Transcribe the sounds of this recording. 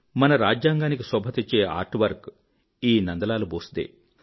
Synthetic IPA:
mɐnɐɾaːd͡ʒjaːŋɡaːnik̬isɔbʱɐt̪et͡ʃːe̞ːa̰ːɾʈʋɐɾk | iːnɐnd̪ɐlaːluboːsd̪ḛː

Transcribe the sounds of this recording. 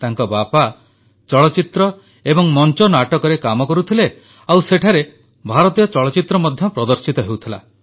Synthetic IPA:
t̪aŋkɔbapa | t͡ʃɔɭɔt͡ʃit̪ɾɔ | ebɔŋmɔnt͡ʃɔnaʈɔkɔɾekamɔkɔɾut̪ʰile | awseʈʰaɾe | bʱaɾɔt̪ijɔt͡ʃɔɭɔt͡ʃit̪ɾɔmɔd̪ʱjɔpɾɔd̪ɔɾsit̪ɔɦewt̪ʰila

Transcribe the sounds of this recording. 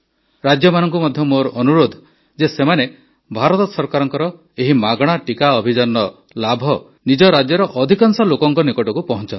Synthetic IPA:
ɾad͡ʒjɔmanɔŋk̬umɔd̪ʱjɔmoɾɔnuɾod̪ʱ | d͡ʒesemane | bʱaɾɔt̪ɔsɔɾkaɾɔŋkɔɾɔ | eɦimaɡɽ̃aʈikaɔbʱid͡ʒɔnːɔ | labʱɔ | nid͡ʒɔɾad͡ʒjɔɾɔʔɔd̪ʱikaŋsɔlokɔŋkɔnikɔʈɔkupɔɦɔnt͡ʃɔnt̪i

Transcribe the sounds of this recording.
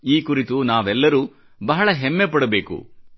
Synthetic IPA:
iːkuɾit̪unaːʋɛlːɐɾuː | bɐɦɐɭɐɦemːepɐɽɐbe̞ːkṵ

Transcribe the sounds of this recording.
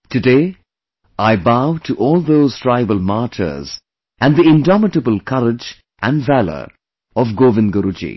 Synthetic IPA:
tɨdeː | aɪbaʊʈʰuʔɔːlˠd̪oːz̥tɹaɪbəlmatʰə̰z | æ̃nd̪iɪ̃ndɔmɪʈəbəlˠkʰʌɾɪd͡ʒ | ʔæ̃nɖvælə̰ɾ | ɔvɡoːʋɪ̃nɡəɾud͡ʒḭ

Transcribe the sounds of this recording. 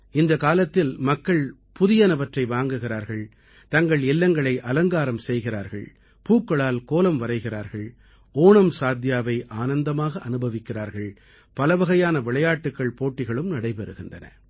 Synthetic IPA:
ɪnd̪ɐkaːlɐt̪ːɪlmɐkːɐɭ | pʊðɪjɐnɐʋɐʈrɐɪʋaːŋɡɯɣɪɾaːɾɣɐɭ | t̪ɐŋɡɐɭɪlːɐŋɡɐɭɐɪʔɐlɐŋɡaːɾɐmsɛjɣɪɾaːɾɣɐɭ | puːkːɐɭaːlkoːlɐmʋɐɾɐɪɣɪɾaːɾɣɐɭ | oːɳɐmsaːd̪ʱjaːʋɐɪʔaːnɐnd̪ɐmaːɣɐʔɐnɯbɐʋɪkːɪraːɾɣɐɭ | pɐlɐʋɐɣɐjaːnɐʋɪɭɐjaːʈːɯkːɐɭpoːʈːɪɣɐɭɯmnɐɽɐɪpɛɾɯɣɪndɐnɐ̰

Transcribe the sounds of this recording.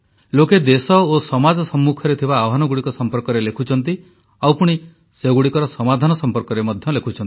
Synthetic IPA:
loked̪esɔosɔmad͡ʒɔsɔmːukʰɔɾet̪ʰibaːɦanɔɡuɽikɔsɔmpɔɾkɔɾelekʰut͡ʃʰɔnt̪i | awpuɽ̃i | seɡuɽikɔɾɔsɔmad̪ʱanɔsɔmpɔɾkɔɾemɔd̪ʱjɔlekʰut͡ʃʰɔnt̪i̥

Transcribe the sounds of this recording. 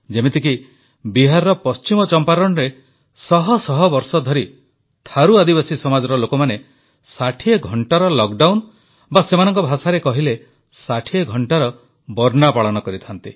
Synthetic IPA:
d͡ʒemet̪iki | biɦaɾɾɔpɔst͡ʃimɔt͡ʃɔmpaɾɔɽ̃ɔɾe | sɔɦɔsɔɦɔbɔɾsɔd̪ʱɔɾi | t̪ʰaɾuad̪ibasisɔmad͡ʒɔɾɔlokɔmane | saʈʰieɡʱɔɳʈaɾɔlɔkɖawn | basemanɔŋkɔbʱasaɾekɔɦile | saʈʰieɡʱɔɳʈaɾɔ | bɔɾnapaɭɔnɔkɔɾit̪ʰant̪i

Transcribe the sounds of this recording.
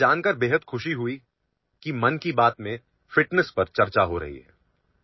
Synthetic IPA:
aːnkəɾbeːɦəd̪xʊʃiɦʊi | kimɐnkibaːt̪mẽ | fɪʈnəspɐɾt͡ʃɐɾt͡ʃaɦoɾɐ̰ɦḭɦɛ̰ː

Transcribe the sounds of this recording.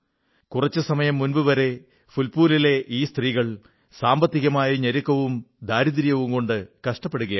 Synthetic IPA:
kurɐt͡ɕːɨsɐmɐjɐmːunbɨʋɐɾe̞ | fulpuːlile̞ʔiːst̪riːɣɐɭ | saːmbɐt̪ːiɣɐmaːjɐɲɐɾukːɐʋumd̪aːɾid̪ɾijɐʋumko̞ɳɖɨkɐʂʈɐpːe̞ɽuɣɐj

